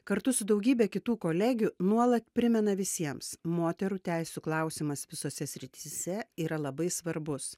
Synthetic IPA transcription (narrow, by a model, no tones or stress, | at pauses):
kɐɾt̪ʊsʊd̪ɐʊɡʲiːbʲɛkʲɪt̪uːkoːlʲæːɡʲunuɔlˠɐt̪pʲɾʲɪmʲɛnɐʋʲɪsʲiɛmsmoːt̪ʲɛɾuːt̪ʲæɪsʲuklˠɐˑʊsʲɪmɐsʋʲɪsoːsʲɛsʲɾʲɪt̪ʲiːsʲɛiːɾɐlˠɐbɐɪsʋɐɾbʊs